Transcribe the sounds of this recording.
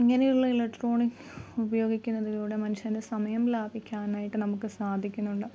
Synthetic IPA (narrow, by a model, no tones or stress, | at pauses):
iŋːɐnejuɭːɐelɐkʈro̞ːɳikː | ubɐjo̞ːɡikʲːunːɐðiluːɽe̞mɐnuɕɐndesɐmɐjɐmlaːbʱikʲːaːnaːjiʈːɨnɐmukːɨsaːd̪ʱikʲːunːuɳɖɨ